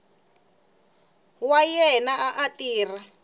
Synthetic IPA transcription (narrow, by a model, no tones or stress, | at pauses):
wajɛnaaʔatiːra